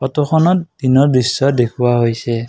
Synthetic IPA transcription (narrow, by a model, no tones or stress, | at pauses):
pɔtɔxʰɔnɔt̚dinɔɹdɹisːɔdekʰuwaɦojsɛ